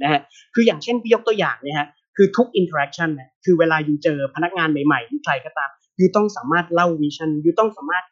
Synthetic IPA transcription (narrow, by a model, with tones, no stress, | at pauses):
na˦˥kʰa˦˥ | kʰɯː˧jaː˨˩ŋt͡ɕʰe˥˩npʰiː˦˥jo˦˥k̚t̪u˧əjaː˨˩ŋna˦˥kʰa˦˥ | kʰɯː˧t̪ʰu˦˥k̚ʔi˧nt̪ʰaː˧ɾɛ˦˥k̚t͡ɕʰa˥˩nːa˦˥˩kʰɯː˧weː˧laː˧juː˧t͡ɕɤː˧pʰa˧na˦˥k̚ŋaː˧nma˨˩jma˨˩jkʰla˧jkɔː˥˩t̪aː˧m | juː˧t̪ɔ˥˩ŋsaː˩˦maː˥˩t̪̚la˥˩wwiː˦˥sʰa˥˩njuː˧t̪ɔ˥˩ŋsaː˩˦maː˥˩t̪̚